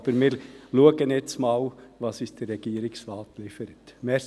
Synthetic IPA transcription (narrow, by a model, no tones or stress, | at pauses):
b̥əɾmiːɾluəɡənjɛt͡smɑːlʋɑsɪst̚d̥ɛrɛɡ̥iːɾɪksʋɑːlt̪liːfəɾət̪mɛ